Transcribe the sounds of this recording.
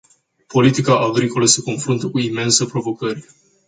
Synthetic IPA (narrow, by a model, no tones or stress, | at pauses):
po̞lit̪ikaʔaɡɾiko̞ləse̞ko̞nfɾunt̪əkuime̞nsəpɾo̞vo̞kərʲ